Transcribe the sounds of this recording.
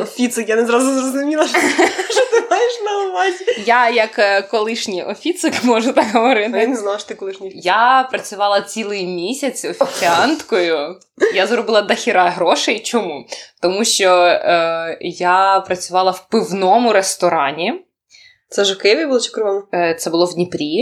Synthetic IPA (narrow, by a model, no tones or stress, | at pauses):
ɔfʲit̪sɪkjanɛzɾɑzʊzɾɔzʊmʲilˠɐʃʃɔt̪ɪmajɪʃnɐbʊʋɑtʲjajɐkkːɔlˠɪʃnʲijʔɔfʲit̪sɪkmɔʒʊt̪ɑkɦɔʋɔɾɪt̪ɪinɛznalˠʃt̪ɪkɔlˠɪʃnʲijapɾɐt͡sʲʊʋɑlˠɐt͡sʲilˠɪjmʲisʲɐt͡sʲɔfʲit͡sʲɪɑnt̪kɔjʊ | jazɾɔbɪlˠɐd̪ɐxʲiɾɑɦɾɔʃejt͡ʃɔmut̪ɔmuʃt͡ʃɔ | japɾɐt͡sʲʊʋɑlˠɐwpɪwnɔmʊɾest̪ɔɾɑnʲi | t̪sɛʒɛkɪʋʲijbulˠɔt͡ʃɪ̥kɾʊʋɔmt̪sɛbʊlˠɔwdʲnʲipɾʲi